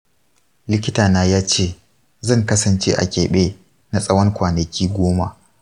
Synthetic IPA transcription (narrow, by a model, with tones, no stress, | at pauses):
lɪ˦kʲɪ˦taː˨naː˦jaː˦t͡ʃeː˦˨ | zɐ˦˨ŋkɐ˦sɐ˨nt͡ʃeː˦ʔa̰˨kʲeː˨ɓeː˦ | na˨sʼɐ˦wɐ˦ŋkʷaː˨nɐ˨kʲʰiː˦ɡʷoː˦ma̰˨ʔ